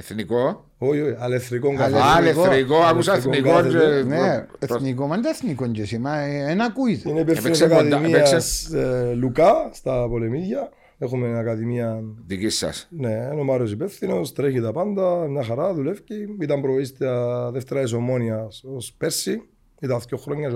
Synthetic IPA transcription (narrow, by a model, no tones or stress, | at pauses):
eθniko | ojojɐleθɾikoŋkalelekoɾikoakusaeθonikoθeen | eθnikomɐnd̪ɐeθnikoɲcesimɐenɐkuit̪ineipefθinosakaðimiɐslukast̪ɐpo̞lemiðʝɐ | exumenɐkɐðimiɐnðicisːɐ̰sneːnomaɾosipefθino̞st̪ɾeçit̪ɐpand̪ɐmɲɐxaɾaðulefciit̪ɐmpɾoist̪iaðeft̪eɾɐis̬omo̞niɐsospeɾsi | it̪ɐθço̞xɾoɲːɐ